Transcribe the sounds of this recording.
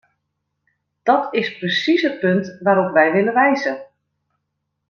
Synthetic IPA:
d̥ɔtɪsprəsisət̚pɵntʋaːɾɔpʋɛjʋɪləʋɛjzə

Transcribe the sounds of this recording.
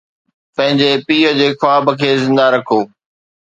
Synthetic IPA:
pɐ̃ɦɪ̃ɲd͡ʑepiːəd͡ʑeːxwaːbəkʰeːzɪ̃nd̪aɾɐkʰoː

